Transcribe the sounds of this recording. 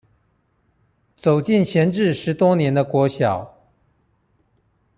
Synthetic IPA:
t͡so˨˩ʊt͡ɕi˥˩nɕjɛ˧˥nʈ͡ʂɻ̩˥˩ʂɻ̩˧˥t̪wɔ˥njɛ˧˥nd̪ə˧kwɔ˧˥ɕjɑ˨˩˦ʊ

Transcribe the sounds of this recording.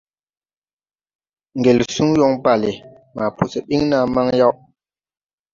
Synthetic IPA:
ŋ˨ɡe˨lsu˦ŋjɔ˦ŋba˦˨le˨ | ma˨pu˨sɛ˨ɓi˦ŋna˦ma˦ŋja˦wʔ

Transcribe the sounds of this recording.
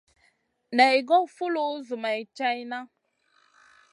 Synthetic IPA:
na˨i˨ɡɔ˦fu˦lo˦zu˨ma˨i˨t͡ʃa˦i˦na˦

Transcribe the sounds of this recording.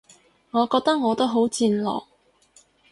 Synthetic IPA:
ŋɔː˨˧kɔː˧k̚t̪ɐ˥k̚ŋɔː˨˧t̪o˥wɦo˨˥wt͡siː˧nlɔ̰ː˨˩k̚

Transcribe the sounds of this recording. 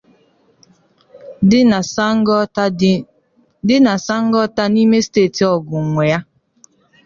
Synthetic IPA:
dɪ˦na˨sa˦ŋ̩˦ɡɔ˦ta˦ni˦me˦steː˦˨ti˨ɔ˨ɡʊ˨ŋʷe˨ja˦

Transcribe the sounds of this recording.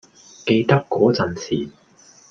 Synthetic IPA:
ke˧jt̪ɐ˥kːɔː˨˥t͡sɐ˨˩nsiː˨˩

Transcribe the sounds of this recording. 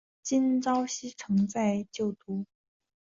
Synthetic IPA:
t͡ɕi˥nt͡sɑ˥ʊɕi˥ʈ͡ʂʰɤ˧˥ŋt͡sa˥˧ɪt͡ɕjo˥˩ʊt̪u˧˥

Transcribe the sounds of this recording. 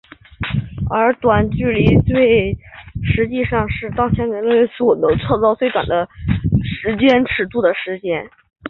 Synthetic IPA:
ə˞˧˥t̪wa˨˩nt͡ɕy˥˩li˧˥t͡swe˥˩ɪʂɻ̩˧˥t͡ɕi˥˧ʂɑ˥˧ŋʂɻ̩˥˧t̪ɑ˥˩ŋt͡ɕʰjɛ˧˥ni˧˥nle˥˩˥ʂɔ˨˩˦o˥t͡sʰwɔ˥˧t͡sɑ˥˧ʊswe˥ɪt̪wa̰˨˩nd̪ə˦ʂɻ̩˧˥t͡ɕjɛ˥nʈ͡ʂʰɻ̩˨˩t̪u˥˩d̪ə˩ʂɻ̩˧˥t͡ɕjɛ˥n

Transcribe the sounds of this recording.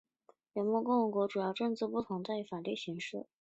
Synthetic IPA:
jɛ˧˥nmwɔ˥˧kʊ˥˩ŋwə˧˥ŋkwɔ˧˥ʈ͡ʂu˨˩jɑ˥˧ʊʈ͡ʂɤ˥˧ŋt͡sɹ̩˥˧pu˥˩t̪ʰʊ˧˥ŋt͡sa˥˩ɪy˧˥fa˨˩ly˥˩ɕi˧˥ŋʂɻ̩˥˩

